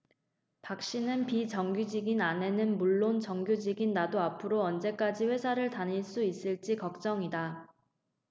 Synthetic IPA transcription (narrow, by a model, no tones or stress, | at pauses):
pak̚ɕ͈inɯnpit͡ɕʌŋɡjud͡ʑiɡinane̞nɯnmuɭːont͡ɕʌŋɡjud͡ʑiɡinːadoapʰɯɾoʌnd͡ʑe̞k͈ad͡ʑiɸwe̞sʰaɾɯɭtaniɭs͈uis͈ɯɭt͡ɕ͈ikʌk̚t͡ɕ͈ʌŋida